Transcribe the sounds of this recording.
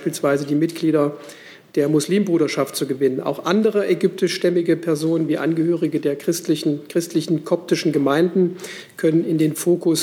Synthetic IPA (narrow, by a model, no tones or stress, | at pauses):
ʃpiːlsv̥aɪzədiːmɪtɡ̥liːdɐ | d̥eːɐmʊsliːmbʁuːɾɐʃaftt͡suɡəvɪnəna̰ʊxʔandəʁ̞əʔɛɡʏp̚tɪʃtɛmɪɡəpʰɛɐzoːnənviːʔa̰nɡəhøːʁɪɡədeːɐkʁ̥ɪstɪçn̩kʁ̥ɪstʰlɪçn̩kʰɔp̚tɪʃn̩ɡəmaɪndn̩ | kʰœnənɪndeːnfoːkʊs